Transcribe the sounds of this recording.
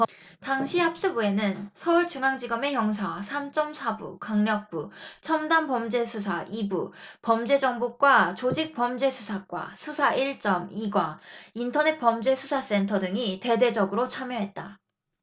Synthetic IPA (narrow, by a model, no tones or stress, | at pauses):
taŋɕʰihap̚s͈ɯbue̞nɯnsʰʌuɭt͡ɕuŋaŋd͡ʑiɡʌme̞jʌŋs̬ʰasʰamt͡ɕ͈ʌmsʰabṵkaŋɲʌk̚p͈ut͡ɕʰʌmdanpʌmd͡ʑe̞sʰusʰaʔibupʌmd͡ʑe̞d͡ʑʌŋbuk͈wat͡ɕod͡ʑik̚p͈ʌmd͡ʑe̞sʰusʰak͈wa̰sʰusʰaʔiɭt͡ɕ͈ʌmiɡwaintʰʌne̞t̚pʌmd͡ʑe̞sʰusʰas͈e̞ntʰʌdɯŋite̞de̞d͡ʑʌɡɯɾot͡ɕʰamjʌɦe̞t̚t͈a